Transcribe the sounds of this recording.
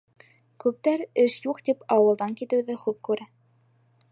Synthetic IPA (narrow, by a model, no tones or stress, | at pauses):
kʉp̚t̪æɾɘʃjuqt̪ipɑwɤ̆lˠd̪ɑŋkit̪ɘ̆wðɘχʉp̚kʉɾæ